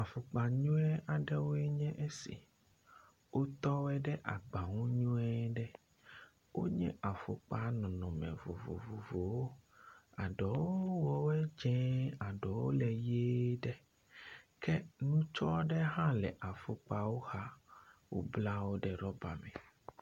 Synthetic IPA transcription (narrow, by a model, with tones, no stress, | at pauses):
a˨fo˨k͡pa˨ɲũ˦ɛ˦ʔa˨ɖɛ˦wo˦ɛ˦ɲɛ̃˦ʔe˦sḭ˨ | wʔo˦t̪ɔ˦wɛ˦ɖɛ˦ʔa̰˨ɡ͡ba˨ŋũ˦ɲũ˦ɛ˦ɖɛ˦ | wʔo̰˦ɲɛ̰̃˦ʔa˨fo̰˨k͡pa˦nɔ̃˨nɔ̃˨mɛ̰˨vo̰˨vo̰˨vo˨vo˨wo˦a˨ɖɔ˨wo˦wɔ˦wɛ˦d͡ʒɛ̃˦a˨ɖɔ˨wo̰˦lɛ˨je˦ɖɛ˦ | kɛ˦nũ˦t͡ʃɔ˦ɖɛ˦ɦã˦lɛ̰˨ʔa˨fo˨k͡pa˦wo˦ha˦wo̰˦bla˦wo˦ɖɛ˨ɖɔ˦ba̰˨mɛ̰̃˨